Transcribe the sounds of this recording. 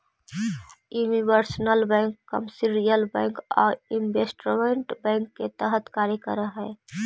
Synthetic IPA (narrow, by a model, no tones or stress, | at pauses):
junibəɾsnəlbɛ̃ŋkːəmsiɾijəlbɛ̃ːŋkɔ̰ːɾimbesʈɾʋeɳʈbɛ̃ŋkːet̪əɦət̪kaɾekə̰ɾəɦɛː